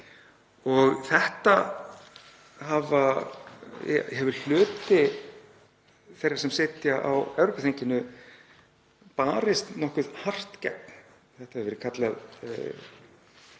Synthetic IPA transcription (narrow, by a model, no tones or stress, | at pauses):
ɔɣθɛht̪a | ɦava̰ | hɦɛvʏl̥ʏːt̪ɪ | θejɾḁsɛmsɪːt̪jaʔawɛvɾɔkaθeɲcɪnːʏ | paːɾɪst̪nɔhkʏðhar̥t̪cɛ̰k̚n | θɛht̪ahɛvɛːɾɪkʰat̪lɛð